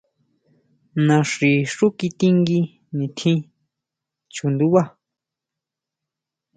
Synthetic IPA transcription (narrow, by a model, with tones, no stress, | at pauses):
nã˧ʂi˨ʂu˦ki˧t̪i˦ŋɡi˧ | nĩ˨t̪ʰĩ˦ | t͡ʃu˨nd̪u˦βa˦